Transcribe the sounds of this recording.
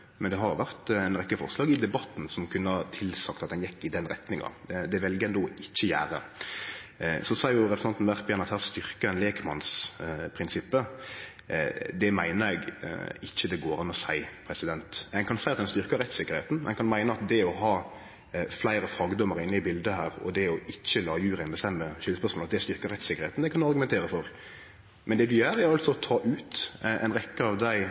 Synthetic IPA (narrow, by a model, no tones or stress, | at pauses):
mɛnd̪ɛɦɑɾjʊʋæʁt̪ɛɪnɾɛkːəfɔ̰ʁslɑːɡɪd̪ɛbɑt̪n̩sɔmkʰʉnːəɑt̪ʰɪlsɑkt̪ɑt̪̚d̪ɛnjɛkːɪd̪ɛnɾɛt̪nɪŋɑ̰d̪ɛʋɛlɡəɛnd̪oːɪçːəjæ̰ːɾə̰ | sɔsɔɑɾjʊɾɛpɾsɑnt̪n̩ʋæʁt̪pjɛnɑt̪hæːʁst̪ʏʁkəɛnleːkmɑnspʰɾɪnsɪpːə | d̪ɛmæɪnəɾɛɡɪçːəd̪ɛɡoːɾɑnɔsæɪpʰɾɛsɪd̪ɛnt̪ɛŋkʰɑnsæɪɑt̪d̪ɛnst̪ʏɾkəɾɛt̪sɪkːəɾheːt̪n̩ɛ̰nkʰɑnmæɪnəɑt̪̚d̪ɛɔɦɑː | flæɪɾəfɾɑɡəd̪ɔməɾɪnːɪbɪld̪əhæːɾɔ̰d̪ɛɔɪçːəlɑːjʉːɾɛɪnbəst̪ɛmːəʃʏləspœʁʂsmoːlɑt̪d̪ɛst̪ʏɾkəɾɛt̪sɪkːəɾheːt̪n̩d̪ɛkʰɑnd̪ɑɾɡʉmɛnt̪eːɾəfɔɾ | mɛnd̪ɛd̪ʉjœːɾæɾɑlsɔɔt̪ʰɑːʔʉːt̪ɛ̰nɾɛkːəɑʋd̪æɪ